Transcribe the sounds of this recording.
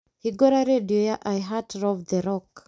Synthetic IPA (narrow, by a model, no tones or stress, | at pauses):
hiɡɔɾaɾediojaʔajɦatɾɔvd̪eɾɔk